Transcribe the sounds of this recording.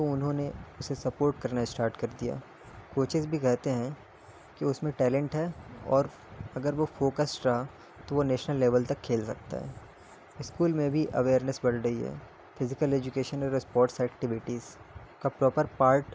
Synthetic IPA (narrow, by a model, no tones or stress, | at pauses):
t̪oʊnɦõneʊsesɐpoːɾʈ̚kɐɾnaesʈaːɾʈkɐɾd̪ija̰ː | koːt͡ʃɪzbʱikɛɦt̪eɦɛ̃ | kiʊsmẽʈɛːlɛ̃ɳʈɦɛɔ̰ːɾ | ɐɡəɾʋofoːkəsɾɐɦa | t̪oʋoneːʃnəlːeːʋəlt̪ɐkʰːeːlsɐk̚t̪a̰ɦɛ̰ː | ɪskuːlmẽbʱiʔɐ̰ʋeːɾnəsbɐɽɾɐiɦɛ̰ː | fɪzɪkəleːd͡ʒʊkeːʃənɔːɾɪspɔːɾʈsɛːkʈɪʋɪʈizkapɾɔːpəɾpaːɾʈ